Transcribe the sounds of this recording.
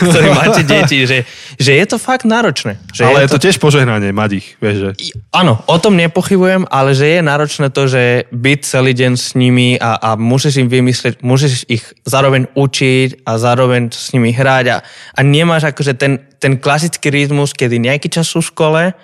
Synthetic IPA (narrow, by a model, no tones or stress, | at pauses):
kt̪ɔɾiːmmaːcɛɟɛciʒɛʒɛjɛt̪ɔfaɡd̪naːɾɔt͡ʃnɛːʒ̥ɛajɛlɛjɛt̪ɔcɪɛʃpɔʒɛɦnaɲɪɛmaɟixʋɪɛʒʒɛanɔʔɔt̪ɔmɲɛpɔxibujɛmʔalɛʒɛjɛnaːɾɔt͡ʃnɛːt̪ɔʒɛbic̚t͡sɛliːɟɛnsɲimiaʔamusiʒimʋimislɛcmus̬iʃixzaːɾɔʋɛɲut͡ʃicazaːɾɔʋɛɲsɲimiɦɾaɟa̰ʔaɲɛmaːʒakɔʒɛt̪ɛnt̪ɛnklas̬it͡skiɾit̪muskɛd̪iɲɛakiːt͡ʃasuʃkɔlɛ